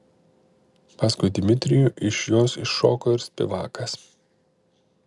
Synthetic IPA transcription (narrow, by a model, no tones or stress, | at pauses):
pɑːskʊjd̪ʲɪmʲɪt̪ʲɾʲɪjuːˑʔɪʃjoːsɪʃːo̰ːkɔːɪɾsʲpʲɛ̰ʋɑːkɐs